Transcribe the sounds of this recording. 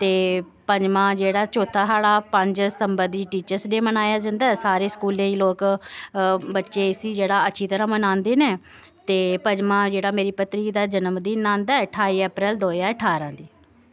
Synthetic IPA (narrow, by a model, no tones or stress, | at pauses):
t̪eː | pəɲd͡ʒmãːd͡ʒeːɽaːt͡ʃoːt̪ʰːaːsaːɽaːpəɲd͡ʒsət̪əmbəɾd̪iːʈiːt͡ʃəɾsɖeːmənaːjaːd͡ʒə̃nd̪aːɛːsaːɾeːskuːlãːĩːloːk | bətːʃeːɪsiːd͡ʒeːɽaːətːʃʰiːt̪əɾãːmənãːnd̪eːneː | t̪eːpəd͡ʒmãːd͡ʒeːɽaːmeːɾiːpət̪ɾiːd̪aːd͡ʒənəmd̪iːnãːnd̪aːɛːʈʰaːiːɛːpɾɛːld̪oːjaːəʈʰaːɾãːd̪iː